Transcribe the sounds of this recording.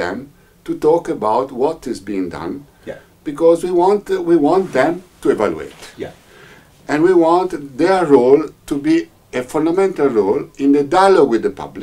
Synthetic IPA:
ɛ̰̃m | t̪ut̪ɔkəbawt̪wɔt̪ɪzbiĩŋdʌ̰̃n | b̥ikɔzwiwɑ̃ntwiwɑ̃nt̪ðɛ̃mt̪uevalṵḛt | ɛ̃nwiwɑ̃nt̪ðɛɹɹolt̪ubi | efɔ̃ndamɛ̃nt̪alɹolĩnd̪ədalowɪðəpʌ̰bl

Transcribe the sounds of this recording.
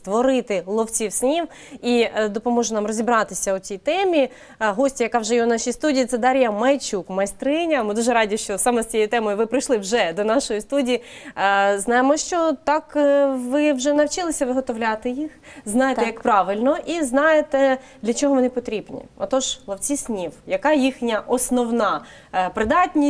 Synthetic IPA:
st̪ʋɔɾɪt̪ɪlˠɔwt͡sʲiwsʲnʲiw | id̪ɔpɔmɔʒɛnɑmrɔzʲibɾɑt̪ɪsʲɐʊt͡sʲijt̪ɛmʲi | ɦɔsʲtʲijɐkɑwʒɛjɛwnɑʃijst̪udʲijːt̪sɛd̪ɑɾʲjɐmɐjt͡ʃukmɐjst̪ɾɪnʲɐmɪd̪uʒɛɾɑdʲiʃt͡ʃɔsɑmɛstt͡sʲjejt̪ɛmɔjʊʋɪpɾɪjʃlˠɪwʒɛd̪ɔnɑʃɔjist̪udʲiji | znɑjemɔʃt͡ʃɔt̪ɑkʋɪwʒɛnɐwt͡ʃɪlˠɪsʲɐʋɪɦɔt̪ɔʋlʲat̪ɪjixznɑjet̪ɛjɐkpɾɑʋɪlʲnɔʔiznɑjet̪ɛd̪lʲɐt͡ʃɔɦɔʋɔnɪpɔt̪ɾʲibnʲḭɔ̰t̪ɔʒlˠɐwt͡sʲisʲnʲiwjɐkɑjixnʲɐʔɔsnɔwnɑ | pɾɪd̪ɑtʲnʲi

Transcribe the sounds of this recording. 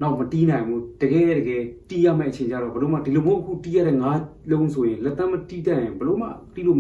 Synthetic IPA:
naʊʔmətinãɪ̃mbṵd̥əɡɛ̰ɛdəɡɛtḭja̰mɛ̰ʔət͡ɕʰẽɲt͡ɕa̰ɾɔbəloma̰dilobõʔəkʰṵtijaɾɛŋalõʊ̃nsʰojɪ̃lɛt̪ːãmətitajɪ̃mbəloma̰tilom

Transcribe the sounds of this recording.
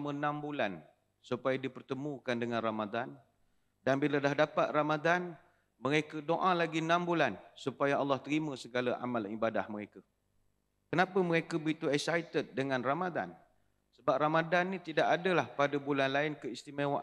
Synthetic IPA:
mənãmbulan | supajadipərt̪əmũkandəŋãnramad̪an | danbiladahdapat̪̚ramad̪an | məɾekədoʔalaɡinãmbulansupajaɑlːɑht̪əɾiməsəɡalaʔa̰malibadahməɾeka | kənapəməɾekəbəit̪uasajt̪ət̪̚dəŋãnramad̪a̰n | səbap̚ramadanːĩt̪idaʔadəlahpadəbulanlaɪnkəist̪imewaʔ

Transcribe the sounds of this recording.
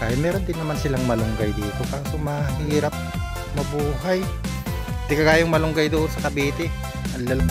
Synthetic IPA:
kaːjɪt̪mɛːɾond̪ɪnːɐmansɪlaŋmɐlʊŋɡajd̪uːt̪okasʊmaɦiːɾɐp̚ | mɐbuːɦɐj | d̪ɪkɐɡaːjoŋmɐlʊŋɡajd̪ʊːʔonsɐkɐbiːt̪ɪ | ɐnlɐl

